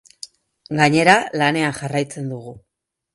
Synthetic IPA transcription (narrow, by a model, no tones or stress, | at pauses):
ɡaɲe̞ɾalane̞anʝarajt͡se̞nd̪uɣ̞u